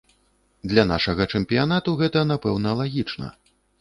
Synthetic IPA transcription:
d̪lʲana̰ʂɐɣɐt͡ʂɛmpʲijan̪at̪uɣɛt̪ɐnapɛwnɐlˠaɣʲit͡ʂnɐ̰

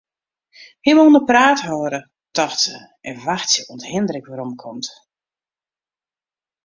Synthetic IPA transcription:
himonəpraːthɔːɾə | tɔxtə | ɛnʋaxtjəʔɔnthɪndɾəkʋaɾɔmkʰɔmt

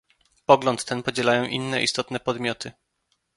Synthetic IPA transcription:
pɔɡlɔnt̪ːɛnpɔd͡ʑɛlajɔ̃w̃ʔinːɛʔḭst̪ɔt̪nɛpɔd̪mʲjɔt̪ʰɘ

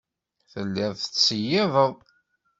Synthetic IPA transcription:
θəlːæðˤθət͡sːəjæðˤəðˤ

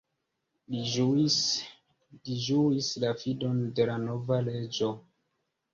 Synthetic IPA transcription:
li | liʒuislafido̞nde̞lano̞vale̞d͡ʒo̞

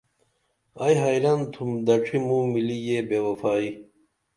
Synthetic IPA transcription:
ɐjɦɐjɾɐnt̪ʰumd̪ɐʈ͡ʂʰimumilijebeːwɐfaːi

